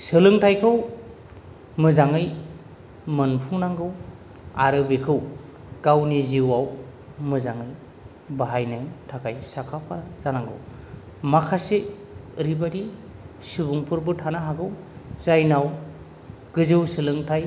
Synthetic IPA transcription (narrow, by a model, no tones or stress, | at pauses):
sɯlɯŋtʰajkʰɯw | mɯzaŋɯj | mɯnpʰuŋnaŋɡɯw | aɾɯbekʰɯw | ɡ̥awniziwaw | mɯzaŋɯj | baɦajnɯjtʰakʰajsakʰapʰaɾazanaŋɡɯ̰w | makʰase | ɾibaɾi | subuŋpʰɯɾbɯtʰanaɦaɡɯw | zajnaw | ɡ̥ɯzɯwsɯlɯŋtʰaj